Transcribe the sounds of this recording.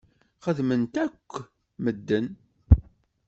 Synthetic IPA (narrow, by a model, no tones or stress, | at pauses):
χəðmənt̪ækʷː | məd̪ːən